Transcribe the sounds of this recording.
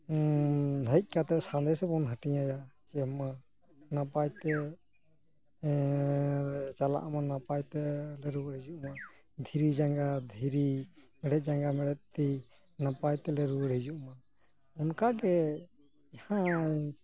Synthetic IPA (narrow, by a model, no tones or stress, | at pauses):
ɦəjc̪̚ˀkat̪ɛʔsãnd̪ɛsɛbɔnɦəʈijajat͡ʃɛma | napajt̪ɛ | ɛt͡ʃala̰ʔmanapajt̪ɛlɛɾuɾɛd͡ʒuʔma | d̪ʱiɾid͡ʒaŋɡad̪ʱiɾimɛɽɛˀd͡ʒaŋɡamɛɽɛt̪̚t̪i | napajt̪ɛlɛɾuɽɛd͡ʒuʔma | ɔnkaɡɛ | hã